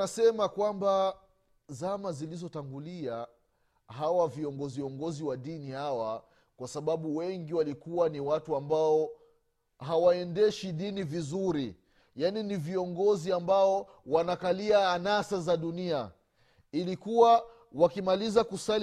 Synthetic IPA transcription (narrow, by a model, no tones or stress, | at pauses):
asɛmakwamba | zamazilizɔtaŋɡulia | hawaviɔŋɡɔziɔŋɡɔziwaɗinihawa | kwasaɓaɓuwɛŋɡiwalikuwaniwatuambaɔ | ɦawaɛndɛʃiɗinivizuɾi | janiniviɔŋɡɔziambaɔ | wanakaliaːnasazaɗunia | ilikuwa | wakimalizakusal